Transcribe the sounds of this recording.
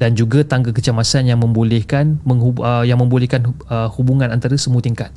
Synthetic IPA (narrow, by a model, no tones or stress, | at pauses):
dand͡ʒuɡat̪aŋɡakət͡ʃamasanjaŋmə̃mbolɛhkanməŋuəjaŋmə̃mbolɛhkanəhubuŋãnant̪aɾasəmut̪iŋkat̪̚